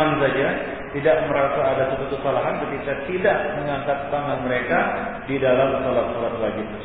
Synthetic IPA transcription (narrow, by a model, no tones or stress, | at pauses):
ansad͡ʒa | t̪idaʔməɾasaːdasat̪ut̪usalaɦank̪əp̪ikat̪idaʔməŋaŋkat̪ːaŋanməɾeka | didalamsalat̪̚salat̪laɡit̪u